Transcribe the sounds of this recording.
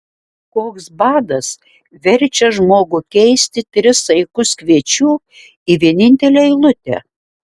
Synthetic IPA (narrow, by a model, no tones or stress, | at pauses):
koːksbɑːd̪ɐs | ʋʲɛɾʲt͡ʃʲɛʒmoːɡʊkʲɛɪsʲt̪ʲɪt̪ʲɾʲɪsɐɪkʊskʲʋʲiɛt͡ʃʲuː | iʋʲiɛnʲɪnʲt̪ʲɛlʲeːɪlˠʊt̪ʲɛ̰